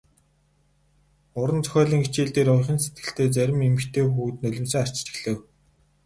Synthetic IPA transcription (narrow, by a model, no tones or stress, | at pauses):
ʊɾə̆nt͡sʰœ̥xʲœːɮʲiːŋit͡ɕiːɮt̪eːɾʊjχʲɪ̆nset̪̚ɡ̥ɘ̆ɬt̪ʰeːt͡sæɾʲɪ̆memɘ̆xt̪ʰeːxuːt̪̚nɵɮʲɪ̆msə̆ŋar̥t͡ɕt͡ɕĭ̥xɮɘ̆w